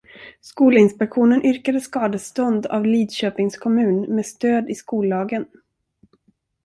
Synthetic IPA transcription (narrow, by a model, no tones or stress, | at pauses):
skuːləɪnspɛkɧuːnənʔʏɾkad̪əskɑːd̪əst̪ɔnd̪a̰vliːd̪ɕøːpɪŋskʰɔmʉ̟ːnmeːst̪øːd̪ɪskuːlːɑːɡən